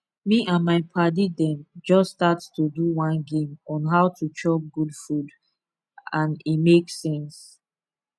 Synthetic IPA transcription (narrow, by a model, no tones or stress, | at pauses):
miʔãnmaɪpʰadidɛ̃md͡ʒɔsːtatstuduwãnɡẽmɔ̃nɦaʊtut͡ʃɔp̚ɡudfud | ãnimeksɛ̃ns